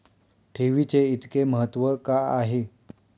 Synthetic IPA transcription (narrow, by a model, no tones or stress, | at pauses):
ʈʰeʋit͡seit̪keməɦət̪ːʋəkaaɦe